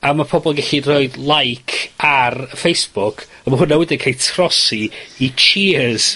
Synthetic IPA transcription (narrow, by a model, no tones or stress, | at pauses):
amapʰɔbɔlˠɡɛɬiroɨdlˠajkʰarəfejsb̥ʊkʰ | əmaɦʊnawɛdɪnkʰejtʰrɔsiit͡ʃʰiz̥